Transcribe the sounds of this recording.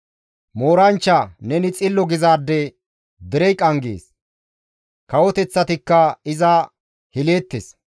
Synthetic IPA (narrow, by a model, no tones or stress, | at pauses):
mo̞ːɾɐnt͡ʃːɐnɛnɪt͡sʼɪlːɔɡɪzaːd̪ːɛ | d̪ɪɾɛjkʼɐŋɡḛːs | kɐwɔt̪ɛt͡sːɐt̪ɪkːɐɪzɐ | hɪleːt̪ːes